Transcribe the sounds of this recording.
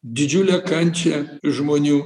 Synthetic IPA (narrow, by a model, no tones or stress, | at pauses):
d̪ʲɪd͡ʒʲʊlʲɛkɐnʲt͡ʃʲɛʒmoːnʲuː